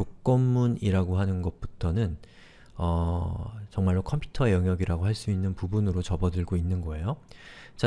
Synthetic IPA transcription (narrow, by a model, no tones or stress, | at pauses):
ok̚k͈ʌmːuniɾaɡoɦanɯnɡʌt̚p͈utʰʌnɯn | ʌ | t͡ɕʌŋmaɭːokʰʌmpʰju̥tʰʌejʌŋjʌɡiɾaɡoɦaɭs͈uinːɯnpubunɯɾot͡ɕʌbʌdɯɭɡoinːɯnɡʌe̞jot͡ɕa